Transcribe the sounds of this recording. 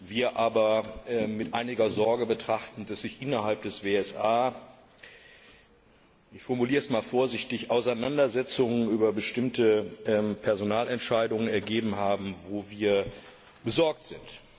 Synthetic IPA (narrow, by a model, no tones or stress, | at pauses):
viːɐʔaːbɐʔɛːɪtʔaɪnɪɡɐzɔɐɡəbətʁ̥aχtn̩dasz̥ɪçʔɪnɐɦalp̚d̥ɛsv̥eːɛsʔaː | ʔɪçfɔɐmuliːʁəɛsmaːlfoːɐzɪçtɪçʔaʊsaɪnandɐzɛt͡sʊŋənʔyːbɐbəʃtɪmtəʔɛmpʰɛɐzonaːlɛntʃaɪdʊŋənɛɐɡeːbm̩ɦaːbm̩voːviːɐ | b̥əzɔɐk̚tz̥ɪnt